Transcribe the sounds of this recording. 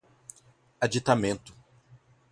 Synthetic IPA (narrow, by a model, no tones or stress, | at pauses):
ad͡ʒit̪amẽnt̪ʊ̥